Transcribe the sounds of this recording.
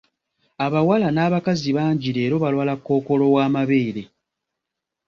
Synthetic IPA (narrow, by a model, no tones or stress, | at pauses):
aβawalanaːβakaziβaːɲɟiɾe̞ːɾo̞βalwaːlakːo̞ːko̞lo̞waːmaβeːɾe